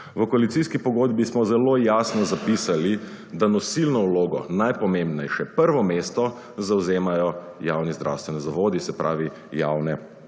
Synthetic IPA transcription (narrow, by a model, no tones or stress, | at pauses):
ʋəkɔalit̪iskipɔɡoːd̪bismɔzɛloːjaːsnɔzapiːsali | d̪anɔsilnɔwloːɡɔ̰najpɔmembnɛjʃɛpəɾʋɔmeːst̪ɔ | zawzeːmajɔ | jawnizd̪ɾʔa̰wst̪ʋɛnɛzaʋoːd̪isɛpɾʔa̰ːʋi | jawnɛ